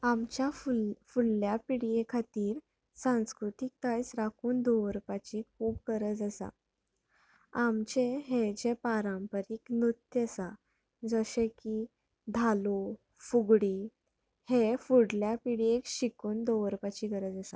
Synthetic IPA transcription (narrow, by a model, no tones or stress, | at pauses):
amt͡ɕjafufulːjapiɽijekʰat̪iːɾ | sãw̃skɾut̪ik̚t̪ajsɾakʰuːnd̪oʋəɾpat͡ɕikʰuːb̚ɡəɾəd͡zasa̰ | amt͡ɕeɦed͡ʑepaɾãmpəɾiknut̪ːjəsa | d͡zəɕeki | d̪ʱalo | fuɡɽi | hefuɽljapiɽijekɕikuːnd̪oʋəɾpat͡ɕiɡəɾəd͡zasa̰